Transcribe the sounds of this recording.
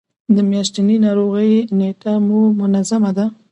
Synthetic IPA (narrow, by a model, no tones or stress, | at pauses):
d̪əmjaʃt̪aninɑɾoɣəjneʈamumʊnazamad̪a